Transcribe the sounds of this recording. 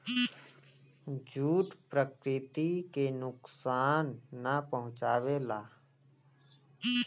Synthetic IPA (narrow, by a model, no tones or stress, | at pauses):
d͡ʒuːʈpɾəkɾɪt̪ikenʊksaːnːapəɦʊ̃t͡ʃaːʋelaː